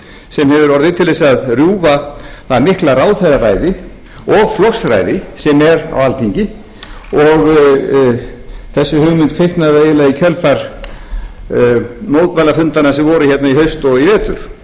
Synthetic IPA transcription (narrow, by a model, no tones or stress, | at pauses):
sɛmhɛvʏɾɔɾðɪt̪ʰɪlesaðrjuːvaθaðmɪhklaɾaːwθajðaɾaːjðɪ | ɔɣflɔxsɾa̰jðɪsɛmɛɾa̰walt̪ʰiɲcɪ | ɔɣ | θɛsːʏhʏːɣmʏnt̪kfejhkt̪naveːjɪlaicʰœlfaɾ | noːwðt̪pajlafʏnt̪anːasɛmvɔɾʏçɛt̪naihœɥst̪ɔivɛːt̪ʏɾ̥